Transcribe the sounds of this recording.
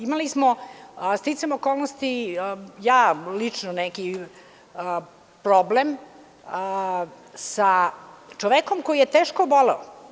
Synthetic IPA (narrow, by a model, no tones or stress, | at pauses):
imalismost̪it̪semokoːlˠnost̪ijaːlit͡ʂnoneki | pɾoblem | sat͡ʃoʋekomkojijet̪eːʃkoboleo